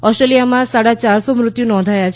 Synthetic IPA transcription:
ɔsʈɾelijamãsaɽat͡ʃaɾsomɾʊt̪junɔ̃nd̪ʱajat͡ʃʰ

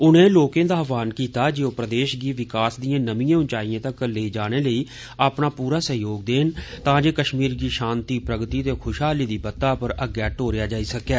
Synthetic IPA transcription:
ʊnẽːloːkẽːd̪aːʋaːnkiːt̪aːd͡ʒɪõːpɾəd̪eːʃɡiːʋɪkaːsd̪ijãːnəmijãːʊnt͡ʃaːijãːt̪əkleːid͡ʒaːɽ̃eːləiː | apnaːpuːɾaːsəɦjoːɡ̚d̪eːnt̪ãːd͡ʒeːkəʃmiːɾɡiːʃãːnt̪iːpɾəɡt̪iːt̪eːkʰʊʃɦaːliːd̪iːbət̪ːaːpəɾəɡɛːʈoːɾɪjaːd͡ʒaːiːsəkɛː

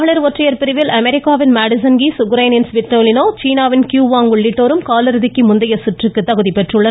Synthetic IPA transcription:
ɐɭɐɾʋɔʈrɐjɐɾpɪɾɯʋɪlʔɐmɛɾɪkːaːʋɪnmaːɽɪsɐnɡiːsʊɣɯɾɐɪnɪnsʋɪʈɾoːlɪnoːt͡ʃiːnaːʋɪnkjuːʋaːŋɡʊɭːɪʈːoːɾɯmkaːlɐɾɯðɪkːimʊnd̪ɐjɐsɪʈrɯkːɯt̪ːɐɣɯðipɛʈrɯɭːɐ

